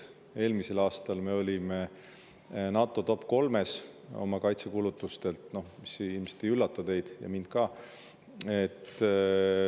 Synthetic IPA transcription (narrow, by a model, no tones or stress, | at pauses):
e̞ːlmise̞lɑːst̪ɑlme̞o̞lʲime̞ | nɑt̪ːˑo̞t̪o̞pːˑko̞lme̞so̞̰mɑkɑjt̪sekuːlut̪ːˑust̪e̞lt̪no̞misilmeset̪iylːɑt̪ːˑud̪e̞jd̪̥jɑ̰mind̪̥kɑː | e̞t̪ː